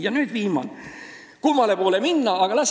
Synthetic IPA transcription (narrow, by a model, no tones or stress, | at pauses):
jɑnyːd̪viːmɑn | kumɑle̞poːleminːɑːɡ̥ɑlɑs